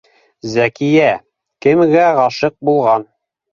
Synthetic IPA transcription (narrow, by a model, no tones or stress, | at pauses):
zækijæ | kɘ̆mɡæʁɑʃɤq̚bulˠʁɑn